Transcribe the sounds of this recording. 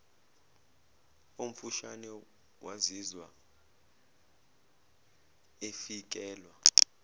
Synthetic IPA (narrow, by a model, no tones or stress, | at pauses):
um̩fuʃanɛ | wazizwa̰ | efik̬ʼɛːlwa